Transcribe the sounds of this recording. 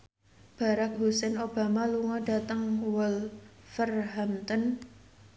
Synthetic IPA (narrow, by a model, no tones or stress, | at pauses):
b̥a̤ɾak̚ɦusɛnob̥a̤maluŋɔd̥a̤t̪əŋwɔlfərɦamt̪ɔn